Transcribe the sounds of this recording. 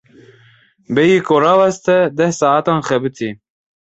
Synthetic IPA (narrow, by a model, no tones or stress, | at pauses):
bɛjiːkoɾɑːwɛst̪ɛd̪ɛhsɑːat̪ɑːnxɛbɨt̪ʰi